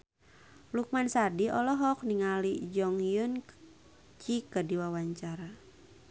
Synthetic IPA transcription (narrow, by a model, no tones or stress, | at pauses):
luk̚mansadiʔɔlɔɦɔk̚niŋalid͡ʒɔŋjun | t͡ʃikədiwawaɲt͡ʃaɾa